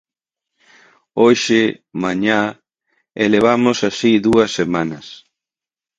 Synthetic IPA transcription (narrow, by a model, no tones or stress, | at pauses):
oʃɪmaɲa | eleβ̞amʊsasiðuɐsːemanɐs